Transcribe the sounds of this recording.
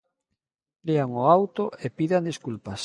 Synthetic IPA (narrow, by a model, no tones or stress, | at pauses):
leaŋoawt̪oʔepiðand̪iskulpas